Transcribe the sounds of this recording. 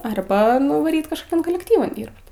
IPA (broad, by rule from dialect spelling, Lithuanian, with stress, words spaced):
ɐrˈbɐ nʊʋɐˈrʲiːt kɐʃkoːˈkʲɛn koːlʲɛkˈtʲiːʋɐn ˈdʲiːrpt